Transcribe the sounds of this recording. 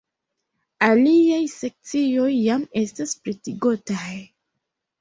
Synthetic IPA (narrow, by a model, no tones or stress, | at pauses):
aliajse̞k̚t͡sio̞jːame̞staspɾetiɡotaj